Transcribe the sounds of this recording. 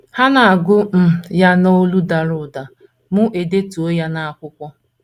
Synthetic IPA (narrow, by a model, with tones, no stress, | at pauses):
ha˦na˨a˨ɡʊ˦m̩˦ja˦no˦lu˦da˨ɾʊ˨da˨ | mʊ˦ʔe˨de˦tu˨o˦ja˦na˦a˦˨kʷʊ˦kʷɔ˦